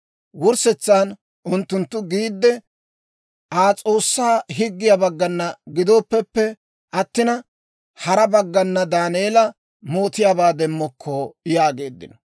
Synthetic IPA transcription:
wʊɾsɛt͡sːaːn | ʔʊnt̪ːʊnt̪ːʊɡiːd̪ːɛ | ʔaːt͡sʼo̞ːsːaːɦɪɡːɪjɐbɐɡːɐnːɐɡɪd̪o̞ːpːɛpːɛ | ʔɐt̪ːɪnɐ | hɐɾɐbɐɡːɐnːɐd̪aːneːlɐ | mo̞ːt̪ɪjaːbaːd̪ɛmːɔkʰːojaːɡe̞ːd̪ːɪ̰nɔ̥

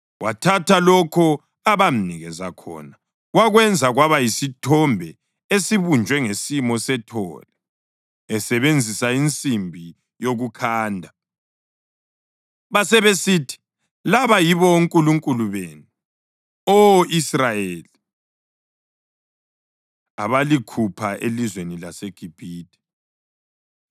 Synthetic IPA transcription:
watʰatʰalɔkʰɔ | aβam̩niɣɛza̰kʰɔ̰ːna | waɣwɛnd͡zʱaɣwaβajisitʰɔmbʱɛ | esiβund͡ʒʱwɛŋesimɔsɛtʰɔ̰ːlɛ | ɛsɛβend͡zʱisaint͡sʼimbʱi | joɣukʰaːndʱa | βasɛβesitʰi̥ | laβajiβɔuŋkʼuluŋkʼuluβeːnu | ɔʔisrajeːli | a̰βalikʰupʰaʔelizwenilaseɡ̥ʱib̥ʱiːtʼɛ̥

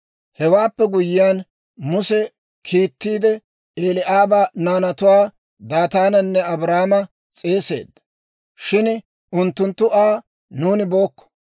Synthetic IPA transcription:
hɛwaːpːɛɡʊjɪjaːn | mʊsɛ | kʰiːt̪ːiːd̪ɛ | eːlɪʔaːbaːnaːnɐt̪ʊwaː | d̪aːt̪aːnɐnːɛɐbɾaːmɐ | t͡sʼe̞ːse̞̰ːd̪ːɐ | ʃɪn | ʔʊnt̪ːʊnt̪ːʊaː | nuːnɪbo̞ːkːɔ̥

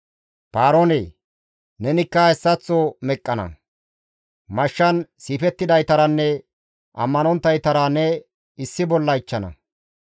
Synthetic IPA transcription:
paːɾoːnḛː | nɛnɪkːɐɛsːɐt͡sːomɛkʼːɐnɐ̰ | mɐʃːɐnsiːfɛt̪ːɪd̪ɐjt̪ɐɾɐnːɛ | ʔɐ̰mːɐnɔnt̪ːɐjt̪ɐɾɐnɛ | ɪsːɪbɔlːɐɪt͡ʃːɐnɐ̰

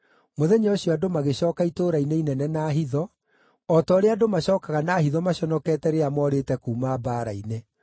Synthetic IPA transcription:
moðɛɲaoɕiɔadomaɣeɕɔːkaitoːɾaineinɛnɛnaːɦiðɔ | ɔtɔɾeadomaɕɔːkaɣanahiðɔmaɕɔnɔkɛːtɛɾeamɔɾetɛkuːmaːbaːɾaine

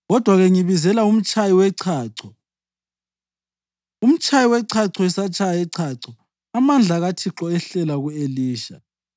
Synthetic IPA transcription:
ɣɔd̥ʱwaɣeŋiβizɛlaum̩t͡ʃʼajiwɛǀʰaːǀɔ | um̩t͡ʃʼajiwɛǀʰaǀɔɛsat͡ʃʰʼaɛǀʰaǀɔ | amand͡ɮʱaɣatʰiǁɔɛɬɛlaɣueliːʃa

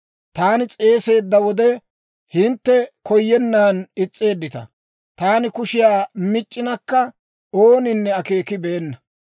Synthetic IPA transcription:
t̪aːnɪt͡sʼe̞ːse̞ːd̪ːɐwɔd̪ɛ | hɪnt̪ːɛkɔjːɛnːaːnɪt͡sʼːe̞ːd̪ːɪt̪ɐ̰ | t̪aːnɪkʊʃɪjaːmɪt͡ʃʼːɪnɐkːɐ | oːnɪnːɛɐke̞ːkɪbɛɛnːɐ

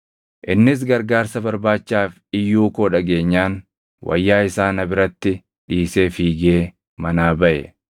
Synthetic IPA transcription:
ʔɪnːɪs̬ɡɐɾɡaːɾsɐbɐɾbaːt͡ʃːaːf | ɪjːuːkoːᶑɐɡe̞ːɲːaːn | wʔɐ̰jːaːɪsaːnɐbɪɾɐt̪ːɪ | ᶑiːse̞ːfiːɡe̞ː | mɐnaːbɐʔɛ̰

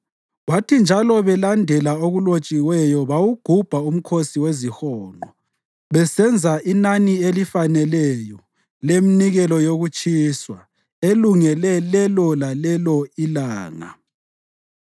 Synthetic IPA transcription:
watʰind͡ʒʱalɔβɛlandʱɛlaoɣulot͡ʃʼiwɛjɔβawuɡ̥ʱub̥ʱaum̩kʰosiwezixɔːnɔ | βɛsɛnd͡zʱaʔinanielifanɛlɛjɔ | leminiɣɛlɔjoɣut͡ʃʼiswa | eluŋɛlɛlɛlɔlalɛlɔilaːŋa̰

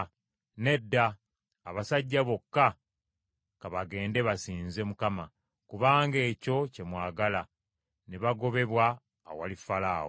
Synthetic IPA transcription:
ne̞dːaː | βasaɟːaβo̞kːa | kaβaɡe̞ːnde̞βasiːnze̞mukama | kuβaːŋɡe̞ːco̞ce̞mwaːɡala | neβaɡo̞βe̞βwaː | walifalaːwo

